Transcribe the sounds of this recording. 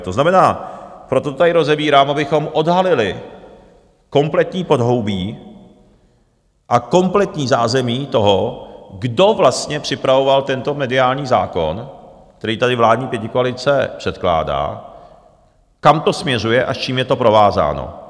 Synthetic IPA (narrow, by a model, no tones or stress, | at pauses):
t̪oznamɛnaːpɾo̞t̪oot̪adɪɾo̞zɛbiːɾaːmʔabɪxo̞mʔo̞dɦalɪlɪ | ko̞mplɛt̪ɲiːpo̞dɦo̞wbiː | ʔako̞mplɛt̪ɲiːzaːzɛmiːt̪o̞ɦoɡdo̞vlast̪ɲɛpr̝̥ɪpɾavo̞valt̪ɛnt̪o̞mɛdɪaːlɲiːza̰ːko̰n | k̚t̪ɛɾiːt̪adɪvlaːdɲiːpjɛcɪkoalɪt͡sɛpr̥ɛt̪kla̰ːda̰ː | kamt̪o̞smɲɛrujɛʔast͡ʃiːmjɛt̪o̞pɾo̞vaːza̰ːno̰